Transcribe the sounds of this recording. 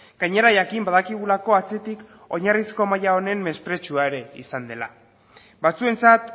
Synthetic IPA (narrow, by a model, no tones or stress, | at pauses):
ɡ̥aɲe̞ɾajakimbaðakiɣ̞ulako̞at͡se̞t̪ik | o̞ɲarisko̞majao̞ne̞mmːe̞spɾe̞t͡ʃuaeɾe̞isand̪e̞la̰ | bat͡sue̞nt͡sat̪